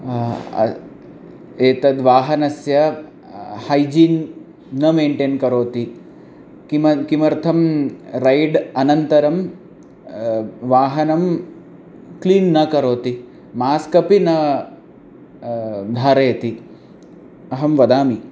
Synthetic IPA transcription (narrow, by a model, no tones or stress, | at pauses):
eːt̪ɐd̪ʋaːɦɐnɐsjɐ | hɐjd͡ʒiːnː | ɐmeːɳʈeːnkɐɾoːt̪i | kimɐkimɐɾt̪ʰɐmɾɐjɖɐnɐnt̪ɐɾɐm | ʋaːɦɐnɐm | kliːnːɐkɐɾoːt̪i | maːskɐpinɐ | d̪ʱaːɾeːt̪i | ɐɦɐmʋɐd̪aːmi